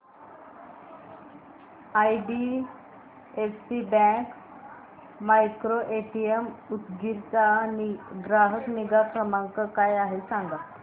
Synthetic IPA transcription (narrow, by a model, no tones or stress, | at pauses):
ajɖi | efsibɛ̃k | majkɾoʔeʈiemut̪ɡiɾt͡sa | ɡɾaɦək̪niɡafɾəmaŋkəkajaɦesãŋɡa